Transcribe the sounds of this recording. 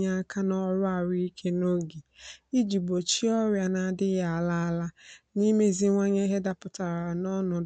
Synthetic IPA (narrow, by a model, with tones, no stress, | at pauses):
ɲa˦a˦kʰa˦nɔ˦ɾʊ˦a˨ɾi˦i˦kʰe˦no˦ɡi˨i˦d͡ʒi˨bo˨t͡ʃi˦ɔ˦ɾja˨na˨dɪ˦ja˨a˨la˦a˦la˦ni˦me˦zi˦ŋʷa˦ɲe˦ɦe˦da˨pʊ˨ta˨ɾa˨nɔ˦nʊ˨